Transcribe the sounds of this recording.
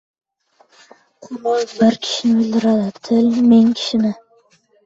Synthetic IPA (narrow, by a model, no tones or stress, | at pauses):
qʰʊmojbɪɾkʲʰɪ̥ʃɪnɪʊld̪ɪɾad̪ɪt̪ʰɪlmeŋkʲʰɪ̥ʃɪnɪ